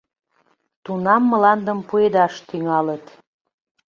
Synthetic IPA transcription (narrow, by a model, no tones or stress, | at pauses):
t̪unɑmːəlɑnd̪əmpued̪ɑʃt̪yŋɑlət̪